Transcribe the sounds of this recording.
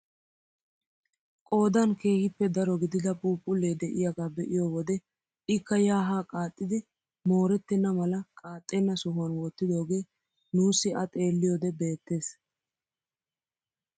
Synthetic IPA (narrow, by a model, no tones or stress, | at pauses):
kʼo̞ːd̪ɐnke̞ːhɪpːɛd̪ɐɾɔɡɪd̪ɪd̪ɐpʼuːpʼːʊlːeːd̪ɛʔɪjɐɡaːbɛʔɪjoːwɔd̪ɛ | ʔɪkːɐjaːɦaːkʼaːt̪ʼːɪd̪ɪ | mo̞ːɾɛt̪ːɪnːɐmɐlɐkʼaːt̪ʼːɛnːɐsʊɦʊɐnwɔt̪ːɪd̪o̞ːɡe̞ː | nuːsːɪʔɐt̪ʼe̞ːlːɪjoːd̪ɛbe̞ːt̪ːe̞ːs